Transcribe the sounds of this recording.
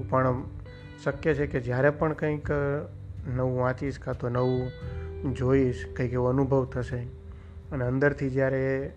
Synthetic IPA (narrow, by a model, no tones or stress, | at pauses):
pəɳ | ʃəkjet͡ʃʰeked͡ʒjaɾepəɳkə̃ĩk | nəʋũʋãt͡ʃiʃkʰat̪onəʋũ | d͡ʒoiʃkə̃ĩkeuənubʱəʋt̪ʰəʃe | əneə̃nd̪əɾt̪ʰid͡ʒjaɾe